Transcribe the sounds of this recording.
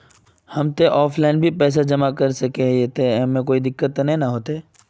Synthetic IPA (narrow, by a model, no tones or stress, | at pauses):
hɐmt̪eʔɔːfʰlaːɪnbʱipɛːs̬ad͡ʒɐmakɐɾsɐkeɦet̪emẽk̬oːid̪ɪkːət̪ːnẽnaɦoːt̪eeː